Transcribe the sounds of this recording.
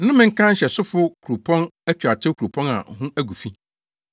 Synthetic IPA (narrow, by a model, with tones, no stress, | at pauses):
n̩˦nʊ̃˦mɪ̃˦ŋ̩˦kʰã˦ɲ̩˦ɕɛ˨sʊ˦fʊ˦kʰu˨ɾu˨pʰɔ̃˦næ˦t͡ɕᶣa˨tʰɪ˦kʰu˨ɾu˨pʰɔ̃˦na̰˨hʊ̃˦æ˦ɡu˨fi˦